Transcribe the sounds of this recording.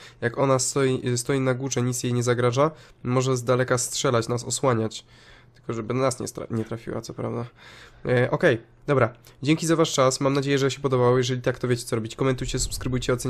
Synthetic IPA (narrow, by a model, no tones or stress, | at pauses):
jakɔnast̪ɔjist̪ɔjinaɡwuʐɛɲit̪sjejɲɛzaɡɾaʐa | mɔʐɛzd̪alɛkastʂɛlat͡ɕnasɔswaɲat͡ɕ | t̪ɘ̥lkɔʐɛbɘasɲɛ̰ɲɛt̪ɾafʲḭwa̰t̪sɔpɾa̰vd̪a | ʔɔkɛj | d̪ɔbɾad͡ʑɛŋʲkʲizavaʂt͡ʂasmamnad͡ʑejɛʐɛɕɛpɔd̪ɔbawɔjɛʐɛlʲit̪ak̚t̪ɔvʲjet͡ɕɛt̪ɔɾɔbʲit͡ɕkɔmɛnt̪ujt͡ɕɛsu̥pskɾɘbujt͡ɕɛɔt̪ɛ